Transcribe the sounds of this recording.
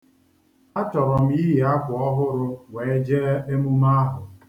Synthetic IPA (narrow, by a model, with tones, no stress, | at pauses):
a˦tɔ˨ɾɔ˨m̩˦i˦ɦi˨a˦kʷɔ˦ɦʊ˦ɾʊ˦we˨e˦d͡ʒe˦e˦mu˦ma˦a˦ɦʊ˨